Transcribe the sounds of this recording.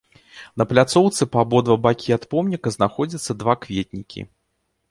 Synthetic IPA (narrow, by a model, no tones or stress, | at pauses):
nɐplʲat̪sɔwt̪sɨpabɔd̪vɐbakʲiat̪pɔmnʲikɐznaxɔd͡zʲɐt̪sːɐd̪vakvʲet̪̚ʲnʲikʲḭ